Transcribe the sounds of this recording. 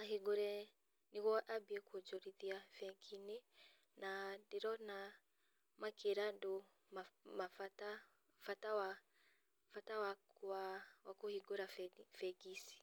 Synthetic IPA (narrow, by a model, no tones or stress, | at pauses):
aɦiɡoɾɛ | niɣɔʔabiɛkwod͡ʒɔɾiðiafɛɡine | nadiɾɔna | makʰeɾado | mamafata | fatawa | fatawakawakohiɡoɾafɛɡisi̥